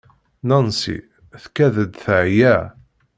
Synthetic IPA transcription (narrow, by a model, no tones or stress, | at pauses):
nɑnsḭ | θkæðəd̪θəʕjæ